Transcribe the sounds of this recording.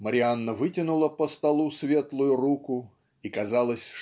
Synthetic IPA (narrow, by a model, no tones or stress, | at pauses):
məɾʲɪanːəvɨtʲɪnʊlˠəpəst̪ɐlˠusvʲe̞t̪lˠʊjʊrukʊ | ikɐzalˠəsʲ